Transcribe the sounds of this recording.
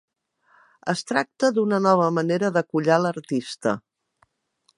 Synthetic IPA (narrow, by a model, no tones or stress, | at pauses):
əst̪ɾak̚t̪əðunənɔβ̞əməneɾəðəkuʎaləɾt̪ist̪ə